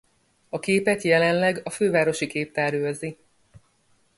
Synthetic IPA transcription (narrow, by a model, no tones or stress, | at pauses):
ɒkeːpɛt̪jɛlɛnlɛɡɒføːvaːɾo̞ʃikeːp̚t̪aːɾjoozi